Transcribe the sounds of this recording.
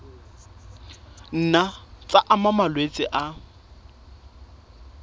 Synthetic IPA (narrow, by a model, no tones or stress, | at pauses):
n̩nat͡sʼaʔamamalwet͡sʼɪʔa